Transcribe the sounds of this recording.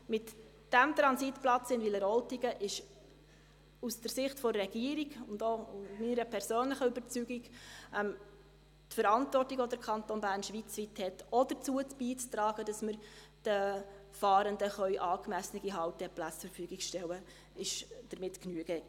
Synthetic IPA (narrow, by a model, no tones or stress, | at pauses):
mɪt | d̥æmt̪ɾɑnsitplɑt͡sɪndʋiləɾɔltiɡəʔɪʃ | usd̥əɾsɪχtfɔrɛɡ̥iəɾiɡʊndominəɾəpʰɛɾsøːnləχəybəɾt͡syɡiɡɛm | tfəɾɑntvɔrtiɡʋɔdəɾkʰɑntonbæːɾnʃʋit͡sʋithɛtɔd̥ət͡suətb̥iːt͡st̪ɾɑːɡ̥ədɑsməɾ | d̥ə | fɑːɾəndəχœʏʔɑːkmæsənəɡ̥iɦɑwtɛplæt͡st͡suɾfyːɡiɡʃtɛwə | ɪʃd̥əɾmɪtknyəɡɛ